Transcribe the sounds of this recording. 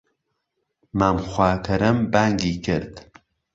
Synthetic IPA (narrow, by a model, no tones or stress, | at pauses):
maːmxwʷaːkʰɐɾɐmbaːŋɡiːkʰɨ̰ɾd̪̥